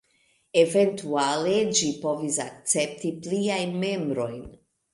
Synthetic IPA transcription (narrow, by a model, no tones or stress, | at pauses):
eve̞ntualed͡ʒipo̞visak̚t͡se̞p̚tipliajnme̞mbɾo̞jn